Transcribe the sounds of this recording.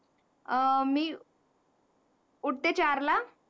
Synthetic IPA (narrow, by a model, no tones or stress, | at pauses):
miː | uɽ̚t̪et͡ɕaɾla